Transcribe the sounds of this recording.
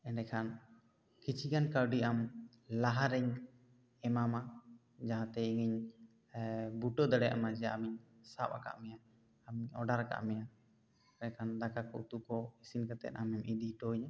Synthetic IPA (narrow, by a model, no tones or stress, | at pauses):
ɛnɖɛkʰan | kit͡ʃʰiɡankawɖiʔam | laɦaɾɛɲ | ɛmama | d͡ʒaɦãt̪ɛiŋiɲ | buʈɔd̪əɽɛjʔa̰mad͡ʒɛaamiɲ | sap̚aka̰ʔmɛjaː | miɲɔɖaɾaka̰ʔmɛja | ɛɛkʰand̪akakɔ̰ʔt̪uʔkɔisinkat̪ɛ̰t̪amɛmʔid̪iʈɔɲ